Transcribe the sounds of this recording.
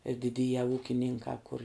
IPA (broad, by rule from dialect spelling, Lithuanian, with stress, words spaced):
ɪr dʲɪˈdʲiːjɛ ˈuːkʲɪnʲɪŋkɑː kʊr